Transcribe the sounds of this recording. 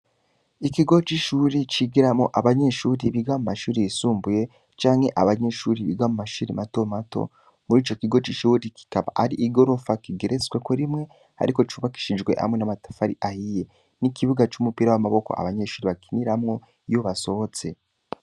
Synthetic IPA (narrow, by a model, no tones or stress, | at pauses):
ikiɡo̞t͡ʃiːʃuɾit͡ʃiɡiɾamŋo̞ʔaβaɲe̞ʃuːɾiβiɡamumaʃuːɾijisuːmbuje̞ | t͡ʃaːŋhe̞ʔaβaɲe̞ʃuɾiβḭɡamumaʃuɾimato̞mato̰ | muɾiːt͡ʃo̞kiɡo̞t͡ʃiʃuɾiki̥kaβa̰ʔaɾiʔiɡo̞ɾo̞fakiɡeɾezwekoɾimŋe̞ | a̰ɾiko̞t͡ʃuːβaki̥ʃid͡ʒɡwe̞̰ha̰mwe̞namatḁfaɾḭʔahije̞ | nikʰiβuɡat͡ʃumupiːɾawamaβo̞ko̞̰ʔa̰βaɲe̞ʃuːɾiβakiniɾamŋo̞ | juβaso̞ho̞t͡se̞